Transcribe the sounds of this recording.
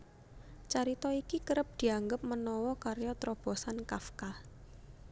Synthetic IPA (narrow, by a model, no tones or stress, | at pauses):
t͡ʃaɾit̪ɔikikəɾəp̚d̪̥i̤aŋɡəp̚mənɔwɔkaɾjɔt̪ɾɔb̥ɔ̤sankafka